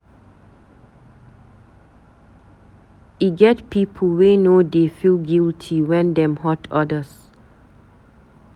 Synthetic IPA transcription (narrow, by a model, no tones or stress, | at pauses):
iɡɛtpipʰəl̩wenodefilɡiltʰiwɛ̃ndɛ̃mhɔtʰɔdəs